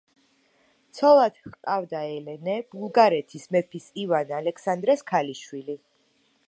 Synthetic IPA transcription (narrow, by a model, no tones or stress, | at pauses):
t̪sʰɔlˠad̪̥χqʼavd̪aɛlɛnɛb̥ulˠɡaɾɛt̪ʰismɛpʰisivanalɛkʰsand̪ɾɛskʰaliʃwili